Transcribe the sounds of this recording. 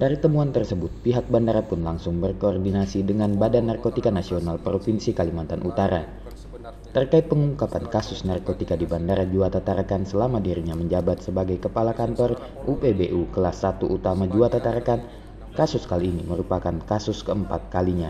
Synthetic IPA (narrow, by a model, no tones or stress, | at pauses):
daɾit̪əmuant̪ərsəbʊt̪̚piɦak̚bandaɾapʊnlaŋsʊŋbərkoɔrdinasidəŋanbadanːarkot̪ikanasionalpɾofinsikalimant̪anʔut̪aɾa | t̪ərkaɪt̪̚pəŋuŋkapankasʊsnarkot̪ikadibandaɾad͡ʒuat̪at̪aɾakansəlamadiɾiɲaməɲd͡ʒabat̪̚səbaɡajkəpalakant̪ɔr | ʔupebeʔukəlasːat̪uʔut̪amad͡ʒuat̪at̪aɾakan | kasʊskaliːniməɾupakankasʊskəəmpat̪̚kaliɲa